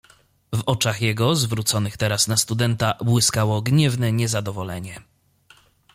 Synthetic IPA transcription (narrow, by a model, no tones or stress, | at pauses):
vɔt͡ʂaxjɛɡɔzvɾut̪sɔnɘxt̪ɛɾasnast̪ud̪ɛnt̪abwɘskawɔɡɲɛvnɛɲɛzad̪ɔvɔlɛɲɛ